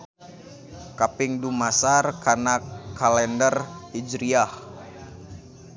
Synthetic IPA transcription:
kapɪŋdumasarkanakalɛndərid͡ʒɾiah

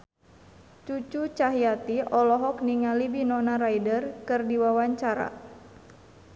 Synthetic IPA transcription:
t͡ʃut͡ʃut͡ʃaɦiat̪iɔlɔɦɔkniŋalibinɔnaɾaidərkɨrdiwawaɲt͡ʃaɾa̰

